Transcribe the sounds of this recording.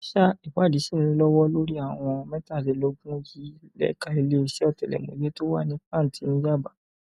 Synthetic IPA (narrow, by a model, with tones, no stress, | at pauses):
ʃa˦i˨wa˨˦˨di˨˦si˦˨nĩ˧˦lɔ˦wɔ˦lo˦ɾi˦a˦˨w̃ɔ̃˧mɛ̃˦ta˦˨ti˨˧˦lo˧ɡũ˦ji˦lɛ̰˦ka˧i˧le˦i˧ʃɛ˦ɔ˦˨tɛ˨lɛ̰˨mo̰˨jɛ˦to˦wa˦˨nĩ˦fã˦˨ti˨˦nĩ˦d͡ʒa˦˨ba˨